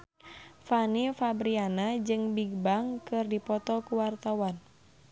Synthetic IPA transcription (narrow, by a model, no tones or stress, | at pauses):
fanifabɾianad͡ʒɨŋbiɡ̚baŋkɨrdipɔt̪ɔkuwart̪awan